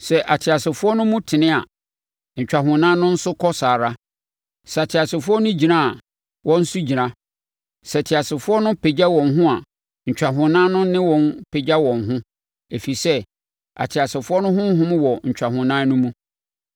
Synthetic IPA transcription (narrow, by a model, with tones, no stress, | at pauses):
sɛ˨ʔa˨tʰɪ˨a˨sɪ˨fʊ˦ɔ˦nʊ̃˦mũ˦tʰɪ˨nɪ̃˦a̰˨ | ɲ̩˨t͡ɕᶣa˨ɦʊ̃˨nã˦nʊ̃˦n̩˦sʊ˦kʰɔ˦saː˨ɾa˦ | sɛ˨tʰɪ˨a˨sɪ˨fʊ˦ɔ˦nʊ̃˦d͡ʑi˨nã˦a˨ | wʔɔ̃˦n̩˦sʊ˦d͡ʑi˨ɾã˦ | sɛ˨tʰɪ˨a˨sɪ˨fʊ˦ɔ˦nʊ̃˦pʰe˨d͡ʑa˦wɔ̃˨nɦʊ̃˦a˨ | ɲ̩˨t͡ɕᶣa˨ɦʊ̃˨nã˦nʊ̃˦nɪ̃˦wɔ̃˨npʰe˨d͡ʑa˦wɔ̃˨nɦʊ̃˦ | e˨fi˨sɛ˦ | a̰˨tʰɪ˨a˨sɪ˨fʊ˦ɔ˦nʊ̃˦ɦʊ̃˦ɦʊ̃˦m̃˦wɔ˨ɲ̩˨t͡ɕᶣa˨hʊ̃˨nã˦nʊ̃˦mũ˦